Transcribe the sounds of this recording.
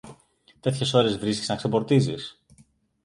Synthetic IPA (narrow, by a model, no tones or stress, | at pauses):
t̪e̞t̪çe̞so̞ɾe̞zvɾiskʲisɐkse̞po̞ɾt̪izis